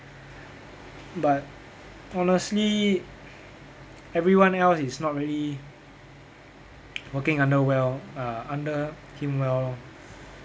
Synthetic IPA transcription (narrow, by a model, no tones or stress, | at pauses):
bat̚ | ɔnəstli | ɛvɹiwãnɛlsisnɔt̚ɹiəli | wəkɪ̃ŋãndəwɛlaãndə | kʰĩmwɛl